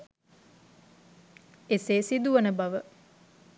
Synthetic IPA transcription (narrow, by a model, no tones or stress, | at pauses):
eseːsid̪uʋənəbaʋə